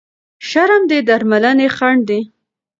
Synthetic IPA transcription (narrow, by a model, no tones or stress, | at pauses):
ʃaɾamd̪ed̪aɾmalanexaɳɖd̪i